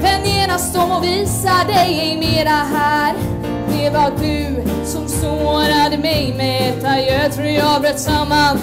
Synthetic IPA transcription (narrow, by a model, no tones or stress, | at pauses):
pɛnːjeːnast̪ɔmɔviːssad̪ɛjɛjmeːɾaɦæːɾ | d̪ɛvadɵ | sɔmsoːnad̪əmɛjmɛɛt̪ːajɛt̪ʰɾuːjabɾɛt̪ːsamːan